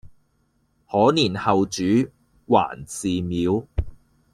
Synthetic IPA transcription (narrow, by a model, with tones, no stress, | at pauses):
hɔː˨˥niː˨˩nhɐ˨wt͡ʃyː˨˥ | wa̰ː˨˩nt͡siː˨miː˨˥w